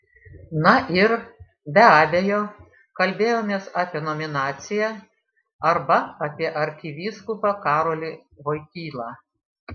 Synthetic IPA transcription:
nɐʔɪɾ | bʲɛɑːbʲejoː | kɐlʲbʲeːjoːmʲeːsɑːpʲiɛnɔmʲɪnɑːt̪sʲɪjɛ | ɐɾbɐɐːpʲiɛʔɐɾʲkʲɪʋʲiːskʊpɑkɑːɾoːlʲɪʋoːɪkʲiːlˠɑː

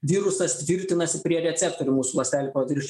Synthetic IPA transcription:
ʋʲiɾʊsɐst̪ʲʋʲɪɾʲt̪ʲɪnɐsʲɪpʲɾʲiɛɾʲɛt̪sʲɛp̚t̪oːɾʲʊmuːsuʋɐsʲt̪ʲæːlʲɪpɐd̪ʲiˑɾʃ

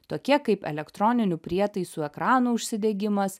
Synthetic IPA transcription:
t̪oːkʲiɛkɐɪpɛ̰lʲɛkt̪ɾɔnʲɪnʲʊpʲɾʲiɛt̪ɐɪsuːɛkɾɑːnuːʊʃʲsʲɪd̪ʲɛɡʲɪmɐs

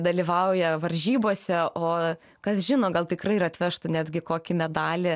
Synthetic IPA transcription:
d̪ɐlʲiʋɐʊjɛʋɐɾʲʒʲiːboːsʲɛʔoː | kɐsʒʲɪnoːɡɐlˠt̪ʲɪkɾɐɪɪɾɐt̪ʲʋʲɛʃt̪ʊnʲæːd̪ʲɡʲɪkoːkʲɪmʲɛd̪ɑːlʲɪ

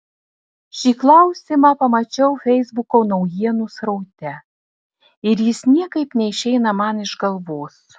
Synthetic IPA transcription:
ʃʲiːklˠɐʊsʲiːmɑːpɐmɐt͡ʃʲɛʊfʲɛɪzbʊkoːnɒʊjiɛnusɾɐʊt̪ʲɛ | ɪɾjɪsnʲiɛkɐɪpnʲɛɪʃʲɛɪnɐmɑnɪʒɡɐlˠʋoːs

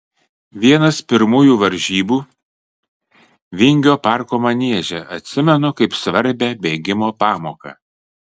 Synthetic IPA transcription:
ʋʲiɛnɐspʲɪɾmuːjuːʋɐɾʲˑʒʲiːbuː | ʋʲɪŋʲɡʲoːpɑˑɾkoːmɐnʲiɛʒʲɛʔɐt̪ʲsʲɪmʲɛnʊkɐɪpsʋɐɾʲbʲɛbʲeːɡʲɪmoːpɑːmoːkɑ̰

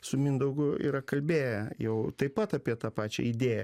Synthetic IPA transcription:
sʊmʲɪnd̪ɐʊɡʊḭːɾɐkɐlʲbʲeːjɛjɛʊt̪ɐɪpɐt̪ɑpʲiɛt̪ɑːpɑːt͡ʃʲɛ̰ɪd̪ʲeːjɛ

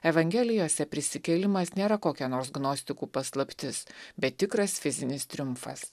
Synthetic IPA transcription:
ɛʋɐŋʲɡʲɛːlʲɪjoːsʲɛpʲɾʲɪsʲɪkʲɛlʲɪmɐsnʲeːɾɐkoːkʲɛnoːɾsɡnɔsʲt̪ʲɪkuːpɐslˠɐpʲt̪ʲɪsbʲɛt̪t̪ʲːɪkɾɐsfʲɪzʲɪnʲɪst̪ʲɾʲʊmfɐ̰s

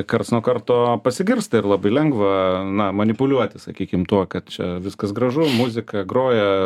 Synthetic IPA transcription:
kɐrt̪snuɔkɐrt̪oːpɐsʲɪɡʲɪrst̪ɐɪrlˠɑbɐɪlʲɛŋɡʋɐnɐmɐnʲɪpʊlʲuɔt̪ʲɪsɐkʲiːkʲɪmt̪uɔkɐt̪t͡ʃʲɛ̰ʋʲɪskɐsɡɾɐʒʊmʊzʲɪkɐɡɾoːjɛ

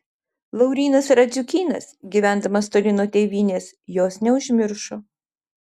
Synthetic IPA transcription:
lˠɐʊɾʲiːnɐsɾɐzʲʊkʲiːnɐ̰sɡʲiːʋʲæˑnd̪ɐmɐst̪oːlʲɪnoːt̪ʲeːʋʲiːnʲeːs | joːsnʲɛʊʒʲmʲɪɾʃoː

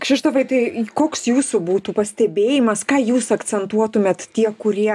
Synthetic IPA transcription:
kʃʲɪʃt̪ɐʋɐɪt̪ɐɪkoːksjuːsubuːt̪uːpɐsʲt̪ʲɛbʲeːjɪmɐskɑːjuːsɐkt͡sʲɛnt̪uɔt̪ʊmʲeːt̪t̪ʲiɛkʊɾʲiɛ

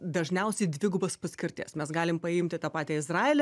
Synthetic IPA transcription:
d̪ɐʒʲnʲɛʊsʲɛɪd̪ʲʋʲɪɡʊbɐspɐsʲkʲɪɾʲt̪ʲḛːsmʲɛsɡɑːlʲɪmpɐɪmʲt̪ʲɪt̪ɑːpɑːt̪ʲɛɪzrɑːeːlʲɛ

